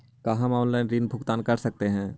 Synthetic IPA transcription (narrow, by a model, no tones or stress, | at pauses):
kaɦãmɔːnlaːɪnɾiːnbʱʊkt̪aːnkɐɾsɐk̚t̪eɦɛ̃ː